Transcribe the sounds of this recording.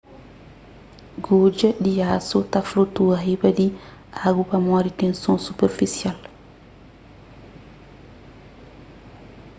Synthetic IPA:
ɡoːd͡ʒɛɗijaːsɔtaflotuaɦibadi | ʔaɡubamɔɾitɛnsɔnsupɛɾfisial

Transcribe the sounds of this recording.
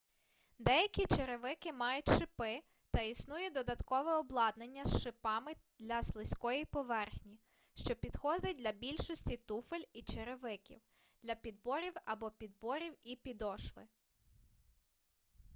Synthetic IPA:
d̪ɛjɐkʲit͡ʃeɾeʋɪkɪmɑjʊtʲʃɪpɪ | t̪ɐisnujɛd̪ɔd̪ɐt̪kɔʋɛɔblˠɑd̪nenʲːɐsʃɪpɑmɪd̪̥lʲɐslˠɪsʲkɔjipɔʋɛrxnʲi | ʃt͡ʃɔpʲid̪̥xɔd̪ɪt̚ʲd̪lʲɐbʲilʲʃɔsʲtʲit̪ufelʲit͡ʃeɾeʋɪkʲḭw | d̪lʲɐpʲid̪̚bɔɾʲiwɐbɔpʲid̪̚bɔɾʲiwipʲid̪ɔʃʋɪ

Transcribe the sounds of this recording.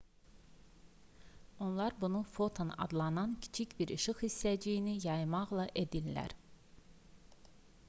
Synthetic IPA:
o̞nlˠɑɾbunufo̞t̪ʰonɑ̰d̪lˠɑnɑncʰi̥t͡ʃʰicbiɾiʃɯχisːæd͡ʒijinijɑjmɑʁlˠɑʔe̞d̪ilːæ̰ɾ

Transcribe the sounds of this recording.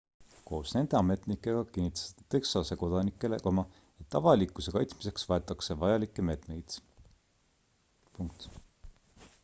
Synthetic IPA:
ko̞ːsne̞nd̪̥e̞ɑme̞t̪ˑnikːˑe̞ɡ̥ɑkinːit̪ːˑɑ̥st̪ːɑt̪e̞ksɑse̞ko̞d̪̥ɑnikːˑe̞lekɑmɑ | et̪ːɑvɑlikːˑuse̞kɑjt̪smise̞ksvɑe̞t̪ːˑɑkse̞vɑjɑlikːˑeme̞ːt̪ne̞jd̪̥ | puŋk̚t̪

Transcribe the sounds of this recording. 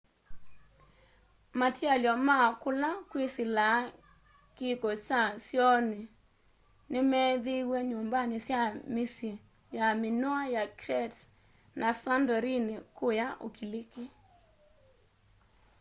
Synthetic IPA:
matjaljɔmakʊlakwisɪla | kɪkɔt͡ʃasjɔnɪ | nɪmɛðɪweɲombanɪsjamisje | jamɪnɔajakɾɛt | nasandɔɾinekʊjaʔo̰kilikɪ

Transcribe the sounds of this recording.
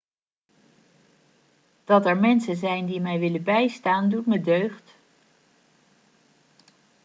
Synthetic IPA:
d̥ɑtɛɹmɛnsənzɛjndimɛjʋɪlənbɛjstaːndutmədøɥχt

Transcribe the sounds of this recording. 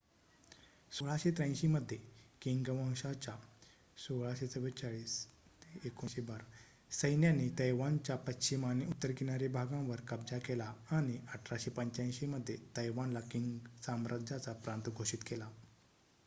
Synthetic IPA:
soɭaɕet̪ɾə̃ɕiməd̪ʱːjekiŋɡʋãŋɕat͡ɕa | soɭaɕet͡səʋət͡ɕaɭiːs | ekoɕebəɾ | səjnjanːit̪əjʋant͡ɕapətːɕimaniut̪ːəɾkinaɾebʱaɡãʋəɾkəb̚d͡zakelaaɽ̃iəʈʰɾaɕepəɲt͡ɕãj̃ɕiməd̪ʱːjet̪əjʋanlakiŋɡsamɾʔadd͡ʑat͡sapɾant̪ɡʱoɕit̪kela

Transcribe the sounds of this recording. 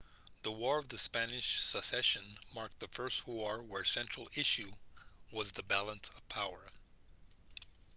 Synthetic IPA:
ðəwɔɹʌvðɨspænɪʃsəsɛʃɨ̃nmɑɹk̚t̚ðɨfɜ˞st̚wɔɹwə˞sɛ̃nt͡ʃɹ̥l̩ˠɪʃʉwʌzðəbælˠə̃nsʌv̥pʰaʊə˞

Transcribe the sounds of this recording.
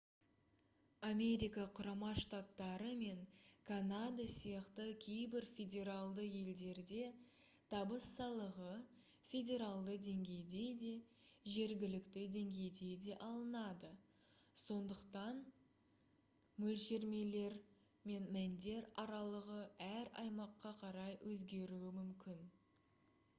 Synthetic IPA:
ame̞ɾijkaqʰʊɾɑmɑʃt̪at̪ːɑɾəme̞ŋkʰanad̪asijɑqt̪əkʲʰe̞jbɪɾfʲe̞dʲe̞ɾalˠd̪əje̞ld̪e̞ɾd̪e̞ | t̪ʰɑbəsːɑlˠəʁə | fʲe̞dʲe̞ɾalˠd̪əd̪e̞ŋɡʲe̞jd̪e̞d̪e̞ʒe̞ɾɡʲɪlɪkt̪ɪd̪e̞ŋɡʲe̞jd̪e̞jd̪e̞ʔɑlˠənɑd̪ə | so̞nd̪əqt̪ɑn | mɵlʃe̞ɾme̞le̞ɾ | me̞nmænd̪e̞ɾɑɾɑlˠəʁəæɾɑjmɑqːɑqʰɑɾɑjwɵzɡʲe̞ɾuɪmʏmkʲɪn

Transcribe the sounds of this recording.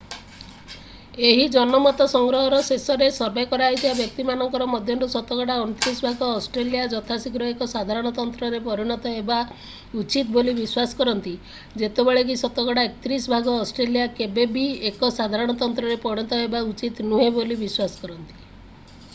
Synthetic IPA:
eɦid͡ʒɔnɔmɔt̪ɔsɔŋɡɾɔɦɔɾɔsesɔɾesɔɾbekɔɾaɦit̪ʰibabjɔk̚t̪imanɔŋkɔɾɔmɔd̪ʱjɔnɾusɔt̪ɔɡɔɽaɔñut̪ɾisbʱaɡɔːsʈɾelijad͡ʒɔt̪ʰasikɾɔɦekɔsad̪ʱaɾɔɽ̃ɔt̪ɔnt̪ɾɔɾepɔɾiɽ̃ɔt̪ɔeba | ut͡ʃit̪bolibiswasɔ̥kɔɾɔnt̪i | d͡ʒet̪ebeɭekisɔt̪ɔɡɔɽaekɔ̥t̪ɾisbʱaɡɔːsʈɾelijakebebiekɔsad̪ʱaɾɔɽ̃ɔt̪ɔnt̪ɾɔɾepɔɽ̃ɔt̪ɔebaut͡ʃit̪nuɦebolibiswasɔ̥kɔɾɔnt̪i̥

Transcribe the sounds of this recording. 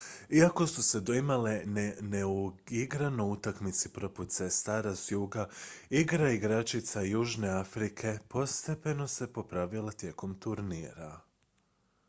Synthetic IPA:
iako̞suse̞d̪o̞imalenneu | iɡɾanout̪akmit̪sipɾo̞put̪se̞st̪aːɾazjuːɡaiɡɾaiɡɾat͡ʃit̪sajuːʒne̞afɾikʰe̞po̞st̪e̞pe̞no̞se̞po̞pɾaʋilˠat̪je̞ko̞mt̪uɾnḭːɾa

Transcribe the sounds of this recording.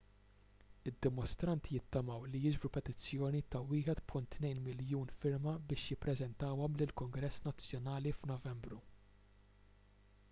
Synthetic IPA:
ɪd̪ːɪmɔst̪ɾɐnt̪ijɪt̪ːɐmɐwlijɪd͡ʒbɾupɛt̪ɪt͡sːjɔːnit̪ɐwɪːħɛt̪pʰʊnt̪ːnɛjnmɪljuːnfɪɾmɐbɪːʃjɪpːɾɛzɛnt̪ɐwɔmlɪlkʊŋɡɾɛsːnɐt͡sːjɔnɐːlifnɔvɛmbɾu

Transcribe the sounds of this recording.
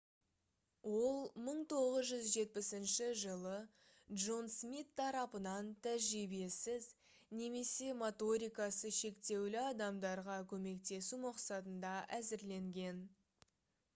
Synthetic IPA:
wo̞lˠməɴt̪ʰo̞ʁəzʒʏzʒe̞t̪̚pɪsɪnʃɪʒəlˠə | d̪ʒo̞nsmit̪ʰːɑɾɑpənɑnt̪ʰæʒɾibe̞sɪz | ne̞me̞se̞mo̞t̪o̞ɾʲijkɑsəʃe̞kt̪e̞wlɪɑd̪ɑmd̪ɑɾʁɑkʲʰɵme̞kt̪e̞sumɑqsɑt̪ənd̪ɑʔæzɪɾle̞ŋɡʲe̞n

